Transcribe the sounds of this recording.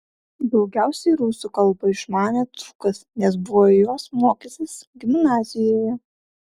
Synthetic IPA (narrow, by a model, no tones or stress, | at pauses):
d̪ɒʊɡʲæˑʊsʲɛɪɾuːsʊkɐlˠbɐɪʃmɑːnʲeːt̪ɾukɐsnʲɛsbʊʋoɪjoːsmoːkʲisʲɪsɡʲɪmnɑːzʲɪjoːjɛ